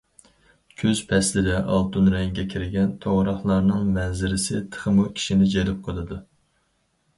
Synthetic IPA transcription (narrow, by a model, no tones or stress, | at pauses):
kʲʰøz̥pʰɛslɪd̪ɛʔɑ̰lˠt̪ʰunɾɛŋɡʲɛkʲʰiɾɪɡʲɛnt̪ʰoʁɾɑχlˠɑɾnɨŋmɛzɪɾɪsɪt̪ʰə̥χəmukʲʰi̥ʃinɪd͡ʒelɪp̚qʰəlˠɨd̪u